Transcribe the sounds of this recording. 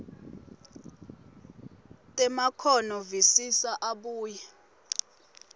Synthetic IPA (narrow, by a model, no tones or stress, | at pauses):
tʼɛmakʰɔnɔvisisaʔaɓuːjɛ